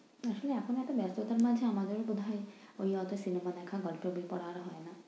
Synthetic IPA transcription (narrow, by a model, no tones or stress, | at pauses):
aʃoleakʰonɛʈebjast̪ot̪aɾmad͡ʒʱeamad̪eɾbud̪ʱajoiɔt̪ɔsinemad̪ɛkʰaɡɔlpjobipɔɽaɾɔɦɔena